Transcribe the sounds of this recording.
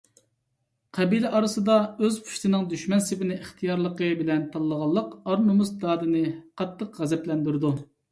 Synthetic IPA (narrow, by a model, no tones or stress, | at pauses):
qʰɛbilɛʔɑɾɨsɨd̪ɑøzpʰu̥ʃt̪ɨnɨŋd̪yʃmɛnsɪvɪnɪiχt̪ʰijɑɾlˠəqəbɪlɛnt̪ʰɑlˠːəʁɑlˠːəqɑɾnumusd̪ɑːd̪ɨnɨqʰɑt̪ʰːəqʁɛzɛplɛnd̪yɾd̪u